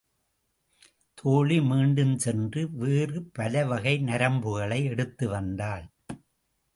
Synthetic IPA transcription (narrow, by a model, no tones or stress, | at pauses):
t̪ʰoːɭimiːɳɖɯmsɛndrɯʋeːrɯpɐlɐʋɐɣɐɪnɐɾɐmbɯɣɐɭɐɪɛɽɯt̪ːɯʋɐnd̪aːl